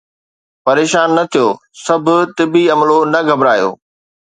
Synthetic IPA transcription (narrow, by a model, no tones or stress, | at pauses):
pɐɾeːʃaːnːɐt̪ʰijoː | sɐbʱʊ̆t̪ɪbiɐmlonɐɡʱɐbɾaːjo̰ː